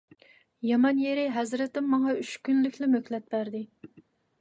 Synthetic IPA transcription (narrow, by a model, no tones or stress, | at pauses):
jɑmɑnjeɾɪɦɛzɾɪt̪ɪmːɑŋɑyt͡ʃkʲynlykʲʰlɪmøkʲlɛt̪̚bæɾd̪ɪ